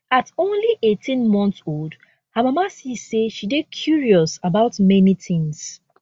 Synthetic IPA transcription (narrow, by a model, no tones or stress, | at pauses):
atõnliʔetʰĩnmɔ̃ntsold | hamamasiseʃidekʰjuɹiɔsabaʊtmɛnitʰĩŋs